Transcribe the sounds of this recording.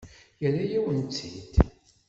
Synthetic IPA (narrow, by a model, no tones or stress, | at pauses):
jəlːæjiwənt͡sːid̪